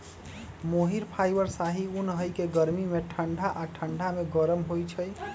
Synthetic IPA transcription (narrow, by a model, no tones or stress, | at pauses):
moɦiɾpʰajbəɾsaɦiunɦəjkeɡəɾmimeʈʰəɳɖʱaʔaʈʰəɳɖʱameɡəɾəmɦojt͡ʃʰəj